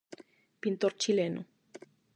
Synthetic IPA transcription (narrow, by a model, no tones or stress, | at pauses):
pint̪oɾt͡ʃileno